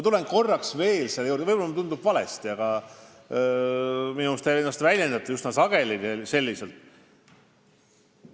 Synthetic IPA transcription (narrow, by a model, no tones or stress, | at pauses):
ɑt̪ule̞nko̞rːɑksve̞ːlselːjuːrd̪evɤjb̥olːɑmut̪und̪ub̥vɑlḛst̪iɑɡ̥ɑ | minust̪eenːɑst̪vælʲjend̪̥ɑt̪ːˑujusnɑsɑɡ̥e̞livese̞lʲːiselt̪